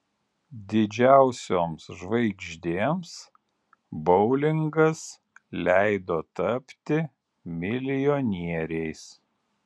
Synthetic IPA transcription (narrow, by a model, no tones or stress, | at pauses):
d̪ʲɪd͡ʒʲæˑʊsʲoːmsʒʋɐɪɡʲʒʲd̪ʲeːms | bɔʊlʲɪŋɡɐs | lʲæɪd̪oːt̪ɐpʲt̪ʲɪ | mʲɪlʲɪjɔnʲiɛɾʲɛɪs